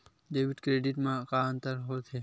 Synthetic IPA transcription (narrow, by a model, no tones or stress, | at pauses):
ɖeːʋɪʈkɾeːɖɪʈmãkaə̃nt̪əɾɦot̪ʰe